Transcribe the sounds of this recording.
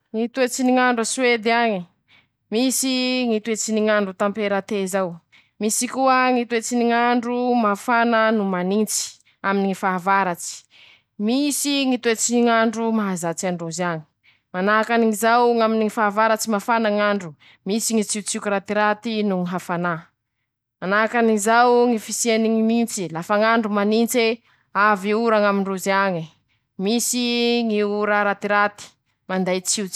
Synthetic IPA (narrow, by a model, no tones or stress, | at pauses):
ŋit̪uet͡siniŋaɳɖ͡ʐaswed̪iaɲi | misiŋit̪uet͡siniŋaɳɖ͡ʐut̪ampeɾat̪ezaw | misikuəŋit̪uet͡siniŋaɳɖ͡ʐumafanənumanint͡si̥ | aminiŋifaɦavaɾat͡si̥ | misiŋit̪uet͡siniŋaɳɖ͡ʐumaɦazat͡siaɳɖ͡ʐozani̥ | manaakaniŋizawŋaminiŋifaːvaɾat͡simafanaŋaɳɖ͡ʐu | misiŋit͡siut͡sikuɾat̪iɾat̪inuŋiɦafana | manakaniizawŋifisieniŋimint͡silafaŋaɳɖ͡ʐumanint͡se | aviuɾaŋamiɳɖ͡ʐuzaŋi | misiŋiuɾaɾat̪iɾat̪i̥ | mand̪ajt͡sit͡si̥